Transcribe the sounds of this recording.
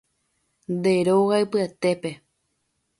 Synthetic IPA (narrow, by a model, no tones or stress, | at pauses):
nd̪e̞ɾoɣaɨpɨat̪e̞pe̞